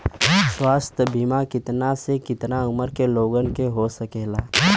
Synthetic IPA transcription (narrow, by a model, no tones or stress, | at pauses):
swaːst̪ʰjəbimakɪt̪nasekɪt̪naʊməɾkeloːɡənkeɦosəkɛːlaː